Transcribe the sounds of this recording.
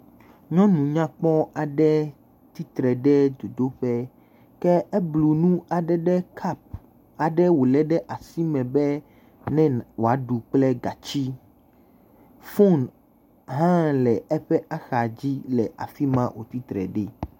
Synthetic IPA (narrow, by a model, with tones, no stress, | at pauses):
ɲɔ̃˦nũ˨ɲã˦k͡pɔ˦a˨ɖɛ˦ | t̪i˦t̪ɾɛ˨ɖɛ˦d̪o˨d̪o˦ɸɛ˦ | kɛ˦ɛ˦blu˨nũ˦a˨ɖɛ˦ɖɛ˦kʰa˦p̚ | a˨ɖɛ˦wo˨lɛ˦ɖɛ˦ʔa˨si˦mɛ̃˨bɛ˦ | nɛ̃˦wo˨a˨˦ɖu˨k͡plɛ˦ɡa˨t͡ɕi˦ | fo˦n | ɦã˦lɛ˨ɛ˦ɸɛ˦ʔa˦xa˨d͡ʑi˦lɛ˨ʔa̰˨fi˦mã˦wʔo̰˨t̪i˦t̪ɾɛ̰˨ɖɛ˦